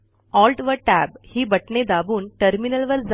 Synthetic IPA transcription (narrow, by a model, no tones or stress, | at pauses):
ɔlʈʋəʈæbhiːbəʈned̪abuːnʈəɾminəlʋəɾd͡z